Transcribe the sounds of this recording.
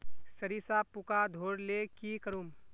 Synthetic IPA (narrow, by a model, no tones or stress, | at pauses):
səɾisaːpukad̪ʱoːɽlekikəɾuːm